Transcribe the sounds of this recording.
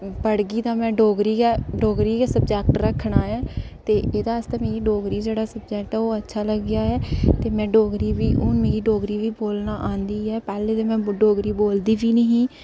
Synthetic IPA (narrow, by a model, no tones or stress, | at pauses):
bəɽɡiːd̪aːmɛ̃ːɖoːɡɾiːɡaɖoːɡɾiːkaːsəb̚d͡ʒɛːk̚ʈɾəkʰɳaːɛː | t̪eːʔeːd̪aːəst̪ãːmeːɡiːɖoːɡɾiːd͡ʒeːɽaːsəb̚d͡ʒɛːkʈɛːoːətːʃʰaːləɡɪjaːɦɛːt̪eːmɛ̃ːɖoːɡɾiːʋiːʔʊnmeːɡiːɖoːɡɾiːʋiːboːlnaːʔãːnd̪iːɦɛːpɛːleːd̪eːmɛ̃ːɖoːɡɾiːboːld̪iːʋiːnəɦĩː